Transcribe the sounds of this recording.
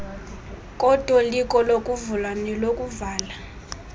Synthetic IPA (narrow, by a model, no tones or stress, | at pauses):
kʼɔd̥ʱwɔlikʼɔlokʼuvulwanɛlokʼuvaːla